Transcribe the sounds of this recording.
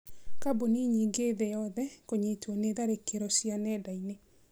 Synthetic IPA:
kaboniɲiɡeðejɔðɛkoɲetwɔneðaɾekeɾɔsianɛdaine

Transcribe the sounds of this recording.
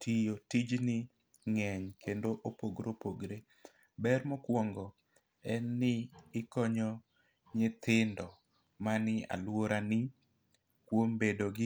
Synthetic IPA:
tʰijotid͡ʒnɪ | ŋɛɲkʰendoʔopoɡɾopoɡɾe | bɛɾmɔkwɔŋɡɔ | ɛnːɪːkɔɲɔ | ɲɪt̪ɪndɔ | manɪa̰lwoɾanɪ | kwombedoɡɪ

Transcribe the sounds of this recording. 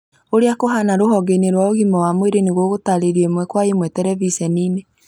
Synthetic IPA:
oɾeakoɦanaɾoɦɔɡeneɾwaoɣimɔwamweɾeneɣoɣotaɾeɾiɛmwɛkwaemwɛtɛɾɛvisɛniːne

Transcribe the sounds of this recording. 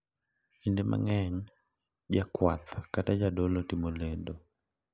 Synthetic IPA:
indemʔa̰ŋɛɲ | d͡ʒakwat̪katad͡ʒadolotimoledo

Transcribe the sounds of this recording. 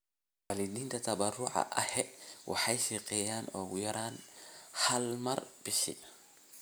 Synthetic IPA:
waːlid̪iːnt̪ʰɐt̪ʰɐbɐrʊʕɑ̰ʔɐhɛwʔɑ̰ħɑjʃɛqɛːjaːnɔːɣʊjɐɾaːnhɐlmɐrb̥ɪʃɪ̰

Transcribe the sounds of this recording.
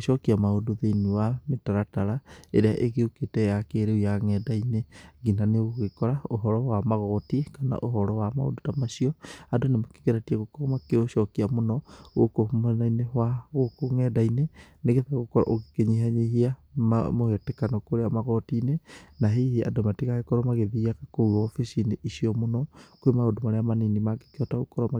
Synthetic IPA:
ʃɔkiamaodoðeiniwametaɾataɾaeɾeaʔeɣeoketɛjakeɾeujaŋɛdaineɡinaneoɣekɔɾaoɦɔɾɔwamaɣɔtikana̰ʔoɦɔɾɔwamao̰dotamaʃiɔadonemake̥ɣeɾatiaɣokomakeoʃɔkiamonɔɣokohumanainewaɣokoŋɛdaineneɣeðaaɣokɔɾa̰ʔoɣe̥keɲiɦaɲehiamohetekanokoɾeamaɣɔtinenaɦihea̰domatiɣaɣekɔɾɔmaɣeðiakakouɔfisineʔisiɔmonɔkwemaodomaɾeamaninimaɡe̥keɔtaɣokɔɾɔma

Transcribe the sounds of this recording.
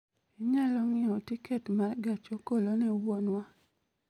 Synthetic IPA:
iɲalɔŋɪɔtɪkɛtmarɡat͡ʃokolonɛwonwa

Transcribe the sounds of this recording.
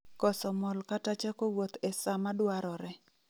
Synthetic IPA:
kɔsɔmɔlkatat͡ʃakowot̪esamadwaɾɔɾɛ

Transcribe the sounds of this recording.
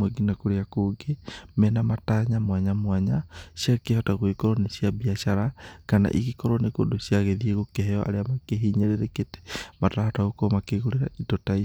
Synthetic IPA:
weɡinakoɾeakoɡemɛnamataɲamwaɲamwaɲaʃakehataɣoikɔɾɔneʃiabiaʃaɾakana̰ʔikikɔɾɔnekodoʃiaɣeðieɣokeɦɛɔʔa̰ɾeamakeɦiɲeɾeɾeketɛ̥mataahataɣokomakeɣoɾeɾaitotai

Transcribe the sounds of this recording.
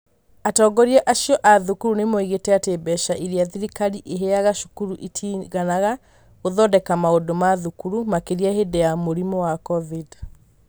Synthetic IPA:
atɔːɡɔɾiɛʔaʃiɔʔaðukuɾunemoiɣetɛatebɛʃaʔiɾiaðiɾikaɾiʔeɦeaɣaʃu̥kuɾuʔitʰiɣanaɣa | ɣoðɔdɛkamaodomaðukuɾumakeɾiahedeamoɾimɔwakɔvid

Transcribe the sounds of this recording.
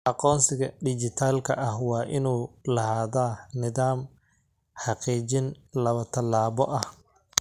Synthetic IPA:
ʔɑqɔːnsɪɣɐɖɪt͡ʃɪt̪ʰaːlkʰɐʔɐhwɑːʔɪnuːlɐhaːðaːnɪðaːm | ħɑqiːt͡ʃɪn | lɐβɐt̪ʰɐlːaːβɔʔɐh

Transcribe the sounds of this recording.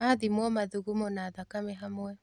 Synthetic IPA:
aðimwɔmaðuɣumonaːðakamɛɦamoɛ

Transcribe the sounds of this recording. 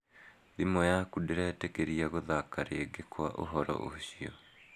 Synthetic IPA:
ðimɔjakudeɾɛtekeɾiaɣoðakaɾeːɡekwa̰ʔo̰ɦɔɾɔ̰ʔo̰ɕiɔ

